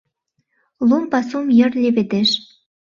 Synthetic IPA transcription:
lumpɑsumjə̆rlʲeβed̪eʃ

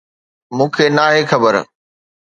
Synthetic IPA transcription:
mũːkʰenaːɦexɐbəɾ

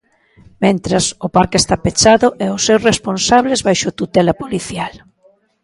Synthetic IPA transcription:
mẽnt̪ɾɐsʊpaɾkest̪apet͡ʃaðʊʔɛʊsːewresponsaβlezβajʃʊt̪ut̪ɛlɐpoliθjal

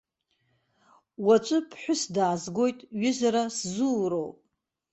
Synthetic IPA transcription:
wat͡ʃʷʼɨpʰħʷᶣʊsdaːzɡo̞jtʼɥʏzaɾaszuːɾowpʼ

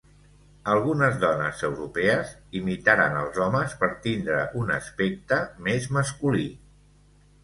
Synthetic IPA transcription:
əlˠɣunəzðɔnə̰zəwɾupɛəzimit̪aɾə̰nəlˠzɔməspəɾt̪ind̪ɾə̰ʔunə̰spek̚t̪əmezməskuli

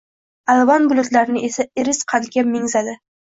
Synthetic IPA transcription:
alˠvɒnbʊlˠʊt̪laɾɪnɪʔe̞saɪɾɪsqʰɑnɡʲamɪŋzad̪ɪ

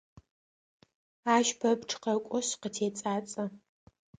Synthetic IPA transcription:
aːʃpʰɐbʈ͡ʂʰʼqɐkʷʼɔɕqətʰeːt͡sʼaːt͡sʼɐ

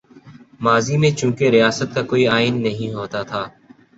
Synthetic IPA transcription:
maːzinẽt͡ʃũːkeɾɪjaːsət̪̚kakoːiaːɪnːɐɦĩɦoːt̪at̪ʰaː

